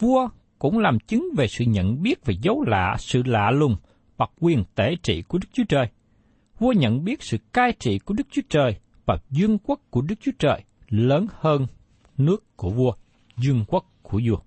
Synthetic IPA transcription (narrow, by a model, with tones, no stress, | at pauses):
vu˧ə | kʊ̰˧˥ŋ͡mlaː˨˩mt͡ɕï˨˦ŋve˨˩sɨ̰˧˨ɲə̰˧˨nɓi˦˥ət̚ve˨˩zə˨˦wla̰ː˧˨sɨ̰˧˨la̰ː˧˨lʊ˨˩ŋ͡m | ɓa˨˩k̚kwi˨˩ənt̪e˧˩t͡ɕḭ˧˨ku˧˩əɗɨ˦˥k̚t͡ɕu˨˦ət͡ɕəː˨˩j | vu˧əɲə̰˧˨nɓi˦˥ət̚sɨ̰˧˨kaː˧jt͡ɕḭ˧˨ku˧˩əɗɨ˦˥k̚t͡ɕu˨˦ət͡ɕəː˨˩j | vaː˨˩zwi˧əŋkwə˦˥kkːu˧˩əɗɨ˦˥k̚t͡ɕu˨˦ət͡ɕəː˨˩j | ləː˨˦nhəː˧n | nɨ˦˥əkːu˧˩əvu˧ə | zwi˧əŋkwə˦˥k̚ku˧˩əzu˧ə